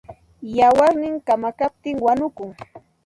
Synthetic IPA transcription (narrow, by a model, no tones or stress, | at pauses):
jawaɾnɪŋkamakap̚t̪ɪŋwanʊkʊŋ